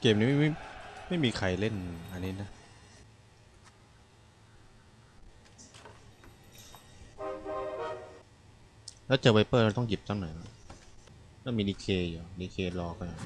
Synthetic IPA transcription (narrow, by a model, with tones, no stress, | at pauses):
keː˨˩mniː˨˦˥ma˥˩ma˥˩jma˥˩jmiː˧kʰa˧jle˥˩˨nʔa˧nːiː˦˥na˦˥ | lɛː˦˥wt͡ɕa˨˩pa˧jpɤː˥˩˨t̪ɔ˥˩ŋji˨˩p̚t̪ʰa˧˥˩nɔ˨˦jla˧˥˩ | nɛː˦˥˩miː˧diː˧kʰeː˧juː˨˩diː˧kʰeː˧lɔː˧kɔ˧˥˩nɔ˨˩j